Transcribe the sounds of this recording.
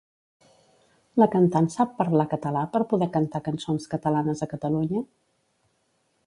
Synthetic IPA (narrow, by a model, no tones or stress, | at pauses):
ləkənt̪ansapːəɾlakət̪əlapəɾpuðɛkənt̪akənsonskət̪əlanəzəkət̪əluɲə